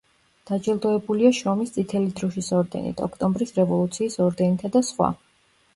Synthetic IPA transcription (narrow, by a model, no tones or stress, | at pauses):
d̪̥ad͡ʒɛlˠd̪ɔɛbuliaʃɾɔmist̪sʰʼit̪ʰɛlid̪ɾɔʃisɔɾd̪ɛ̰nḭt̪ʰɔkʰt̪ʼɔmbɾisɾɛvɔlˠut̪sʰiːsɔɾd̪ɛnit̪ʰad̪asχwa̰